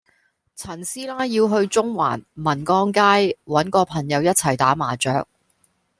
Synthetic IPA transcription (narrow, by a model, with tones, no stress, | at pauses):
t͡sʰɐ˨˩nsiː˥laː˥jiː˧wɦɵ˧ɥt͡sʊ˥ŋwa̰ː˨˩nmɐ˨˩nkɔː˥ŋkaː˥jwɐ˨˥nkɔː˧pʰɐ˨˩ŋjɐ˨˧wjɐ˥t̚t͡sʰɐ˨˩jt̪aː˨˥maː˨˩t͡ʃœː˨˧k̚